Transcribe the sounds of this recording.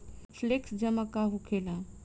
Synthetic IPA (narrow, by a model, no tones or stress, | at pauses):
fleksd͡ʒəmakaɦukʰelã